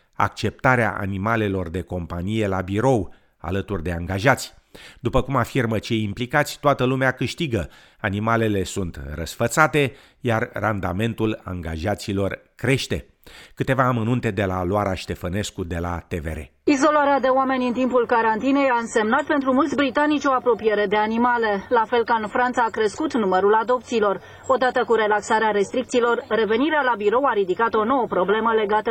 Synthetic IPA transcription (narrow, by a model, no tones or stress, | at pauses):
a̰k̚t͡ʃe̞p̚t̪aɾea̰ʔa̰nimale̞lo̞rd̪e̞ko̞mpanije̞labiɾo̞w | a̰lət̪urʲd̪e̞aŋɡaʒat̪sʲ | d̪upəkumafirmət͡ʃe̞jimplikat̪sʲt̪oat̪əlumeakɨʃt̪iɡə | animale̞le̞sunt̪rəsfət̪sat̪e̞ | jarrand̪ame̞nt̪ula̰ŋɡaʒat̪silo̞rkɾe̞ʃt̪e̞̰ | kɨt̪e̞vaːmənunt̪e̞d̪e̞la̰loaɾaʃt̪e̞fəne̞skud̪e̞la̰t̪ḛvḛɾḛizo̞laɾead̪e̞oame̞nʲɨnt̪impulkaɾant̪ine̞jaɨnse̞mnat̪̚pe̞nt̪ɾumult̪sʲbɾit̪anit͡ʃʲo̞apɾo̞pije̞ɾe̞d̪e̞animale̞lafe̞lkaɨnfɾant̪saːkɾe̞skut̪numəɾulad̪o̞pt̪siːlo̞r | o̞d̪at̪əkuɾe̞laksaɾeaɾe̞st̪ɾik̚t̪siːlo̞rːe̞ve̞niɾealabiɾo̞waɾid̪ikat̪o̞no̞wəpɾo̞ble̞məle̞ɡat̪ə